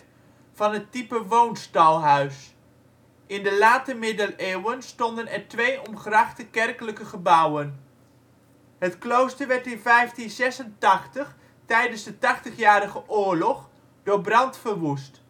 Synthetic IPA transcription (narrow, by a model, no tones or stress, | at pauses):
v̥ɑnɦətipəʋownstɑlˠɦœɥs | ɪndəlaːtəmɪdəleːwənstɔndənɛɹtʋejʔɔmχrɑχtəkɛrkələkəχəbʌwən | ɦətklowstəɹʋɛɹtɪnvɛjftinzɛsəntɑχtəχ | tɛjdənzdətɑχtəχjaːɾəχəʔʊːɹlɔχ | d̥ʊːɹbrɑntfəɹʋust